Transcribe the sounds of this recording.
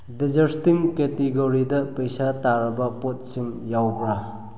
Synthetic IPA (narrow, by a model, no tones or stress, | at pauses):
did͡ʒɐɾstiŋketiɡoɾidɐpejsataɾɐbɐpot̚siŋjawbɾa